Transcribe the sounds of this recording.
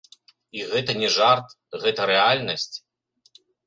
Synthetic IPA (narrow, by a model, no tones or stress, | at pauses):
iɣɛt̪ɐnʲɛʐart̪ | ɣɛt̪ɐɾɛalʲnɐsʲt͡sʲ